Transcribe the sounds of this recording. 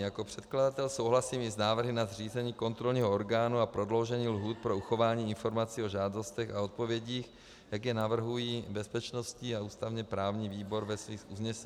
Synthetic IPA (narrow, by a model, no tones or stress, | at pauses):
jakopr̝̥ɛt̪̚kladat̪ɛlsowɦlasiːmɪznaːvr̩ɦɪnazriːzɛɲiːko̞nt̪ɾolɲiːɦooɾɡaːnuapɾo̞dlo̞wʒɛɲiːlɦuːt̪̚pɾo̞uxo̞vaːɲiːɪnfo̞ɾmat͡siːoʒaːdo̞st̪ɛxaot̪̚povjɛɟiːx | jaɡjɛnavr̩ɦujiːbɛspɛt͡ʃno̞sciauːst̪avɲɛpɾaːvɲiːviːbo̞ɾvɛsviːxuzɲɛsɛ